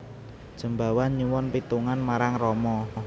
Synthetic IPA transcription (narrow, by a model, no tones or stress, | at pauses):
d̥ʒ̥ə̤mba̤wanɲuwɔnpit̪uŋanmaɾaŋrɔmɔ